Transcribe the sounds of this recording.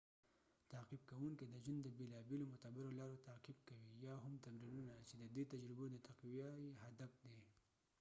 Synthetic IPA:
t̪aːqib̚kawuŋked̪əʒand̪əbelɑbelomʊt̪abɪɾolɑːɾot̪aːqib̚kawijɑɦʊmt̪amɾilunat͡ʃed̪əd̪et̪ad͡ʒɾɪbod̪ət̪aqwijajeɦad̪afd̪e

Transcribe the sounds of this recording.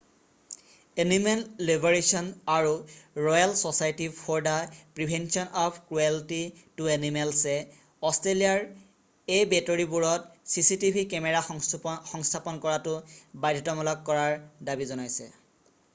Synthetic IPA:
enimenlibʱɔɹesɔnaɹuɹɔjalsɔsajtipʰɔɹdapɹibʱɛnsiɔnɔpʰkɹuelti | tuenimɛlsɛ | ɔstɹelijaɹ | ejbetɔɹibuɹɔtsisitibʱikɛmɛɹaxɔŋstʰapɔnkɔɹatʊbajdʱitɔmɔlɔkkɔɹaɹdabizɔnajsɛ̰

